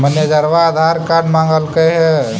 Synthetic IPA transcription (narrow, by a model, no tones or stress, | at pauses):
mənjəd͡ʒəɾʋaːd̪ʱaɾkaɾɖmãŋɡəlkəɦɛ